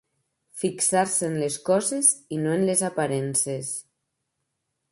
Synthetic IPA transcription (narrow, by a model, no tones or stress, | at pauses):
fiksaɾseːnleskɔzezinoenlezapaɾɛnses